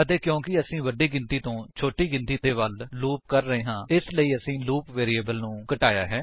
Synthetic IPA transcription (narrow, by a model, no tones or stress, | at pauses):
ət̪eːkjõːkɪəsĩːʋəɖiːɡɪ̃nt̪iːt̪õːt͡ʃʰoːʈiːɡɪ̃nt̪iːt̪eːʋəlluːp̚kəɾːəɦeːɦãːɪsləiːəsĩːluːpʋeːɾiːeːbəlnũːkəʈaːja̰ːɦɛː